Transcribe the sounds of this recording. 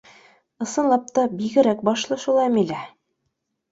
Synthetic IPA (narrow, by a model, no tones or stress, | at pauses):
ɤ̆sɤ̆nlˠɑp̚t̪ɑbiɡɘ̆ɾæk̚bɑʃlˠɤʃulˠɑjmilæ